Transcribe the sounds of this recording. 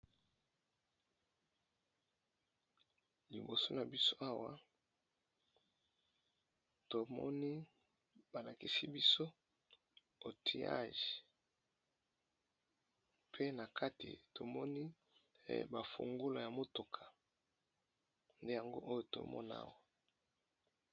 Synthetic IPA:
li˨bo˨so˦na˨bi˦so˦a˦wa˦ | to˨mɔ̰˦ni˦ | ba˨la˨ki˨si˦bi˦so˦ | o˨tʰi˨a̰˦ʒi̥˨ | pʰe˦na˨kʰa˦tʰḭ˨to˨mɔ˦nḭ˦˨ | ba˨fo̰˨ŋɡo˦la˨ja˨mo˦to˨kʰḁ˨ | nde˦ja˨ŋɡo˦ʔo˦jo˨to̰˨mɔ̰˦na̰˦wa˨

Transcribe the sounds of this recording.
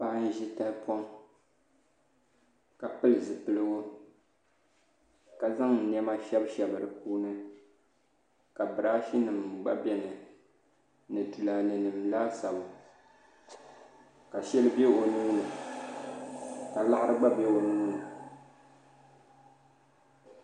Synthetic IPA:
pa˦n̩˦ʒi˦ta˦pwɔ˦ŋ | ka˨pɨ˦lɨ˨zɨ˨pɨ˨lɨ˦ɡo˦ | ka˨za˦ŋ̩˨nɛ˦ma˦ʃɛ˦bʃɛ˨bɨ˨ɾɨ˨kuː˦nɨ˦ | ka˨bɨ˨ɾa˦fi˦nɨ˨m˨ɡ͡ba˦bɛ˨nɨ˨ | nɨ˨tɨ˨la˨nɨ˨nɨ˨mlaː˦sa˨bʊ˨ | ka˨ʃɛ˦lɨ˦be˦o˨nuː˦nɨ˨ | ka˨la˦ʔɾɨ˦ɡ͡ba˦bɛ˦o˨nuː˦nɨ˨

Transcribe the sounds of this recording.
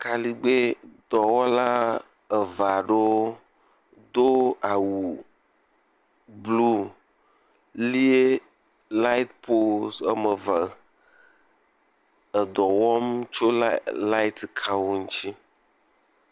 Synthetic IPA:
ka˨li˦ɡ͡be˦d̪ɔ˨wɔ˦la˦ | ə˨va˨ɖo˦ | d̪o˦a˨wu˨ | blu˦ | li˦e˦ | la˦i˦t̪̚po˦sə˦mə˨və˨ | ə˨d̪ɔ˨wɔ˦m˦t͡ʃo˦lla˦i˦t̪kʰa˦wo˦ŋũ˦t͡ɕi˦

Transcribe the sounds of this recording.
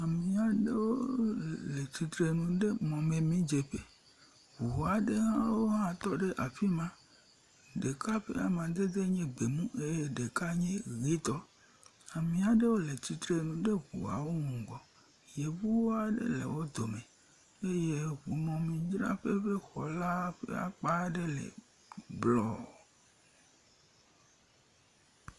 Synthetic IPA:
a˨mĩ˨a˨ɖe˦wo˦le˨ti˨t̪ɾe˨nũ˨ɖe˦mɔ̃˨me˨mĩ˦d͡ʒe˨ɸe˦ | hu˨u˨a˨ɖe˦ɦã˦wo˦ɦã˦t̪ɔ˦ɖe˦ʔa˨fi˦mã˦ | ɖe˨ka˦ɸḛ˦a̰˨mã˨d̪e˦d̪e˦ɲẽ˦ɡ͡be˨mũ˦ʔe˦je˦ɖe˨ka˦ɲẽ˦ɣi˦t̪ɔ˦ | a˨mĩ˨a˨ɖe˦wo˦le˨t͡ɕi˨t̪ɾe˦nũ˨ɖe˦ɣṵ˨a̰˨wo˦ŋũ˨ɡɔ˨ | je˨vu˦wo˦a˨ɖḛ˦lḛ˨wo˦d̪o˨mẽ˨ | e˦je˦ɣu˨nɔ̃˨mĩ˨d͡ʒɾa̰˦ɸe˦ɸe˦xɔ˨la˦ɸḛ˦a̰˨k͡pa˦ɖe˦lḛ˨ | blɔ˦˨

